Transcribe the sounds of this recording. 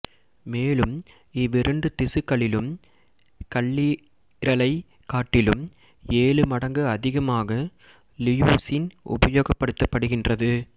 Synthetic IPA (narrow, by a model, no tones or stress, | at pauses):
meːlɯm | ɪʋɪɾɯɳɖɯt̪ɪsɯkːɐɭɪlɯm | kɐɭːɪ | ɾɐlɐɪ | kaːʈːɪlɯm | eːlɯmɐɽɐŋɡɯɐðɪɣɐmaːɣɐ | lɪjuːsɪnʔʊ̰bɐjoːɣɐpːɐɽɯt̪ːɐpːɐɽɯɣɪndrɐðɯ